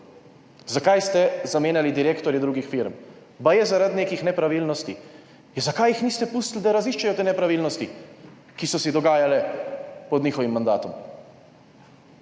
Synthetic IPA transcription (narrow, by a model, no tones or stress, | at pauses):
zakajst̪ɛzameːnjalid̪iɾeːkt̪ɔɾjɛd̪ɾuːɡixfiɾm | bajɛzaɾad̪neːkixnɛpɾaʋiːlnɔst̪ḭ | ɛzakajixniːst̪ɛpust̪lid̪aɾaziʃt͡ʃɛjɔt̪eːnɛpɾaʋiːlnɔst̪i | kisɔsɛd̪ɔɡaːjalɛpɔd̪niːxɔʋimːand̪a̰ːt̪ɔm